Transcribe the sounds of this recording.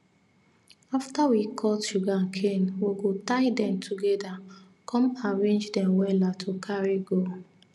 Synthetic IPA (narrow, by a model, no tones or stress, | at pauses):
aftawikʰɔtʃuɡãnkʰẽnwiɡotaɪdɛ̃mtʰuɡɛda | kʰɔ̃mãɹẽnd͡ʒdɛ̃mwɛlatʰukʰaɹiɡo